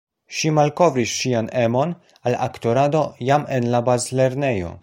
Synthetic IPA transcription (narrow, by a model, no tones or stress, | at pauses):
ʃimalko̞vɾisʃiane̞mo̞n | ala̰kto̞ɾado̞jamenlabazle̞ɾne̞jo̞̰